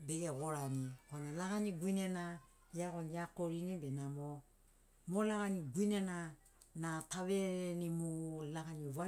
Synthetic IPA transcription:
bekeɣoɾanikonalaɣaniɡwinena | jakoɲakoɾinibenamo | molaɣaniɡwinena | nataβeɾenimolaɣaniwa

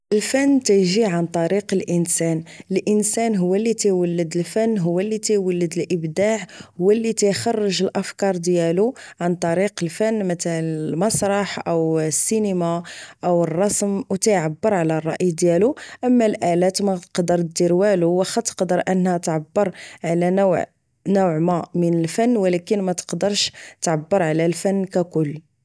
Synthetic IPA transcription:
ʔəlfənːt̪æjʒiʕant̪ˤɑɾiqəlʔənsænəlʔənsænɦʊwːælːit̪æjwəlːəd̪əlfænːɦʊwːælːit̪æjwəlːəd̪əlʔəbd̪aʕhʊwːælːit̪æjxɑrˤːəʒəlʔəfkɑɾˤd̪jæluʕant̪ˤɑɾiqəlfənːmət̪ælənlmɑsˤɾˤɑħʔəwsːinəmaʔəwərˤːɑsmwt̪əjʕabːəɾˤʕlærˤːɑʔjd̪jæluʔəmːælʔælæt̪mæqd̪əɾ̚ˤd̪iɾwæluwæxæt̪ːə̥qd̪əɾˤʔənːhæt̪ʕabːəɾˤʕlænʕ | nuʕmæmənəlfænːwəlækənmæt̪ə̥qd̪əɾˤʃt̪ʕabːəɾˤʕalælfænːkækʊlː

